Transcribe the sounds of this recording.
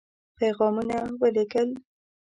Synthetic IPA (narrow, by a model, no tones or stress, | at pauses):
pejɣɑmunawəlɪkəl